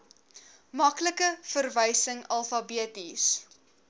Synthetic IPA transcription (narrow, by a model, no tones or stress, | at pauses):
mɐkləkəfərvəjsəŋɐlˠfɑbiətis